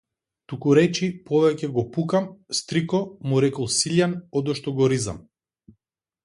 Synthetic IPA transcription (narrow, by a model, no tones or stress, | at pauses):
t̪ukuɾɛt͡ʃipɔvɛcɛɡɔpukamst̪ɾikɔmuɾɛkɔlˠsiʎanɔd̪ɔʃt̪ɔɡɔɾiza̰m